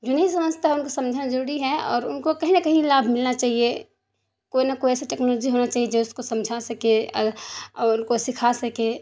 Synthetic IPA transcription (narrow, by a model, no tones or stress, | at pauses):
d͡ʒonɐɦĩs̬ɐməd͡ʒʱt̪aɦɛʊnkosɐ̃md͡ʒʱnad͡ʒɐɾuːɾiɦɛɔ̰ːɾʊnkokɐɦĩnɐkɐɦĩlaːbʱmɪlnat͡ʃaːɦie | koinɐkoiɛːseʈɛːknoloːd͡ʒiɦonat͡ʃaːɦied͡ʒoʊskosɐ̃md͡ʒʱasɐke | ɔʊnkosɪkʰasɐke